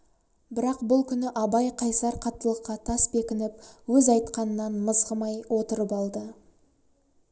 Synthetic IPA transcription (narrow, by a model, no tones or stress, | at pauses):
bɪɾɑqbʊlˠkʲʰʏnɪʔɑbɑjqʰɑjsɑɾqʰɑt̪ːəlˠəqːɑt̪ʰɑsbe̞kʲɪnɪp̚wɵzɑjt̪qɑnənɑnməzʁəmɑjwʔo̞t̪əɾəpɑlˠd̪ə